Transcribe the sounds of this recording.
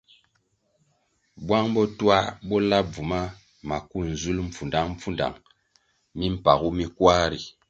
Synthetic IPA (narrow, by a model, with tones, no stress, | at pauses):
bwa˦ŋbɔ˦twa˦bɔ˦la˦p̚vu˨ma˦ | ma˨ku˦n̩˨zu˦lm̩˦˨fu˨nda˦ŋm̩˦fu˦nda̰˨ŋ | mi˦m̩˦pa˨ku˦mi˦kwa˦ɾi˨